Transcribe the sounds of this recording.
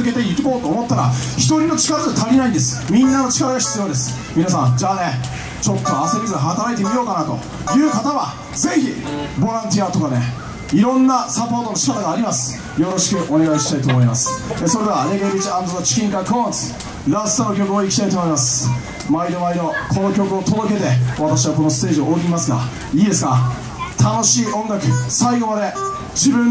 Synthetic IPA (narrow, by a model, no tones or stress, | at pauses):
ke̞t̪e̞ikʲiko̞ːt̪o̞ːmo̞t̪ːaɾa̰çi̥t̪o̞ɾʲino̞t͡ɕi̥kaɾad̪et̪ʰaɾʲinaĩnd̪esɨ̥mʲĩnːano̞t͡ɕi̥kaɾaɡaçi̥t͡sɨjo̞ːd̪e̞sɨ̥ | mʲinasãnd͡ʑaːne | t͡ɕo̞t̪ːoːsemʲizɨ̃ɦat̪aɾait̪̬e̞mʲijo̞ːkanat̪o̞̰ | jɯ̟ːkat̪aβa | ze̞çibo̞ɾãnt̪̬ʲiat̪o̞kane̞ | iɾõ̞nːasapo̞ːt̪o̞noɕi̥kat̪aɡaːɾʲimasɨ̥ | jo̞ɾo̞ɕi̥kɯ̟ʔo̞ne̞ɡaiɕi̥t̪ait̪oːmo̞imasɨ̥eso̞ɾe̞d̪e̞aneɡeɾʲit͡ɕiãnd̪zonot͡ɕi̥kʲĩŋkakɯõt͡sɨ̥ | ɾasɨ̥t̪ono̞kʲo̞kɯ̟o̞ikʲi̥t̪ait̪oːmoimasɨ̥ | maid̪o̞maid̪o̞kʰo̞nokʲo̞kɯ̟o̞t̪od̪o̞ke̞t̪e̞βat̪aɕ̬iβako̞no̞sɨ̥t̪e̞ːʑiooːɡʲiimasɨɡa̰ | iːd̪e̞sɨ̥ka | t̪ʰano̞ɕiːõ̞ŋɡakɯ̟saiɡo̞mad̪e̞ | d͡ʑibɯ̟̃